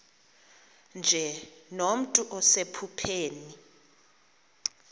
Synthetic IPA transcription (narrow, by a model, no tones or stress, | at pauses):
nd͡ʒʱɛnom̩tʼuʔɔsepʰupʰeːni